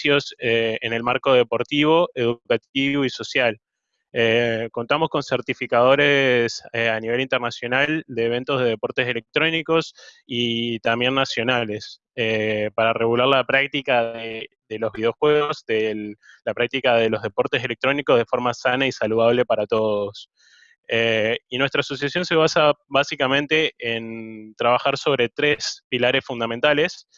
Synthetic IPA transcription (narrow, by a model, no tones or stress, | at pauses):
jo̞seene̞lmaɾko̞ð̞e̞po̞ɾt̪iβo̞e̞ð̞ukat̪̚iβo̞iso̞sjal | eko̞nt̪amosko̞nseɾt̪ifikaðo̞ɾeseaniβe̞lint̪eɾnasjo̞nald̪e̞ːβe̞nt̪o̞zð̞e̞ðe̞po̞ɾt̪e̞sele̞k̚t̪ɾo̞niko̞sit̪ambje̞nːasjo̞nale̞s | epaɾare̞ɣulaɾlapɾak̚t̪ikaðe | ðe̞lo̞zβiðeo̞xwe̞ɣozðe | lapɾak̚t̪ikaðe̞lo̞zð̞e̞po̞ɾt̪es̬e̞lek̚t̪ɾo̞niko̞zðefo̞ɾmasanaisaluðaβle̞paɾat̪o̞ðo̞s | einwe̞st̪ɾaːso̞sjasjo̞nse̞β̞asaβasikamẽ̞nt̪e̞ʔent̪ɾaβaxaɾso̞β̞ɾe̞t̪ɾe̞spilaɾe̞sfund̪ament̪ale̞s